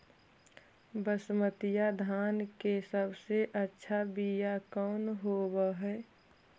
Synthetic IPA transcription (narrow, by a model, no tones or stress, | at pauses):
bəsmət̪ijad̪ʱaːnkesəbseʔətːʃʰabijakɔːnɦobəɦɛː